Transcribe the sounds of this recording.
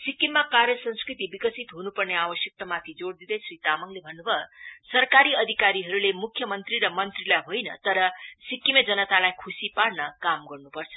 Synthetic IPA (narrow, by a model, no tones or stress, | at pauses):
sikːimːakarjʌsʌ̃nskrit̪ibikʌsit̪ɦunupʌrneabʌsjʌk̚t̪ʌmat̪ʰid͡zoɽd̪id̪ʌjsrit̪amʌŋlebʱʌnːubʱʌsʌrkaɾiʌd̪ʱikaɾiɦʌɾulemukʰːjʌmʌnt̪riɾʌmʌnt̪rilajɦojnʌ̰t̪ʌɾʌsikːimed͡zʌnʌt̪alajkʰusipaɽnʌkamɡʌrnupʌrt͡sʰʌ̥